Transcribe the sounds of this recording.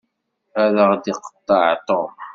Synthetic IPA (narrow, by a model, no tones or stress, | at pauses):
æðəʁd̪iqə̥t̪ːɑʕt̪ˤo